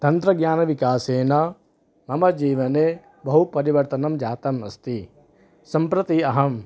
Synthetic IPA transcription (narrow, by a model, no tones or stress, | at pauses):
t̪ɐnt̪ɾɐɡɲjaːnɐʋikaːseːnɐ | mɐmɐd͡ʒiːʋɐneː | bɐɦupɐɾiʋɐɾt̪ɐnɐmd͡ʒaːt̪ɐmɐ̰st̪i | sɐmpɾɐt̪iɐɦɐm